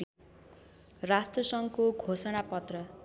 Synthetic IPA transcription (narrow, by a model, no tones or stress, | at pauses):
rasʈrʌsʌŋkoɡʱosʌnapʌt̪rʌ